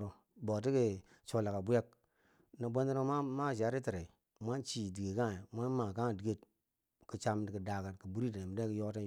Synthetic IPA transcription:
ɾo˨ | bo˨t̬i˦ke˨ | t͡ʃo˨la˨ka˨bu˦ja˦k̚ | na˨bo˦ndi˦ɾo˦ma˦ma˦˨ʃ̬a˨˦ɾi˦ti˨ɾe˨ | mʷa˦nt͡ʃi˨di˨ɡe˨ka˦˨mʷa˦nma˨ka˦˨di˨ɡe˦˨t | ki˨t͡ʃa˧mti˨ki˨da˨ka˨tki˨bu˦ɾi˦ta˨m˨de˦ki˨jo˦ta˦

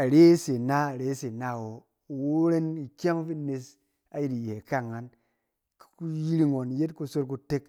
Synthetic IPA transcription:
a˨ɾe˦se˨na˦a˨ɾe˨˦se˨na˦˨wo˨ | wo˦ɾe˦ni˨kʲa˦ŋ˦fi˦ne˧s | a˦ji˦di˨je˨ka˦˨ŋːa˨n | kku˦ji˦ɾi˦ŋo˨n˨je˦tku˧so˦ɾku˨˧te˦k

